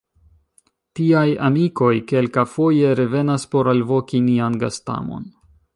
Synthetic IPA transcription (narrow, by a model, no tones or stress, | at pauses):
tiaja̰miko̞jke̞lkafo̞je̞ɾe̞ve̞naspo̞ɾalvo̞kinianɡasta̰mo̞̰n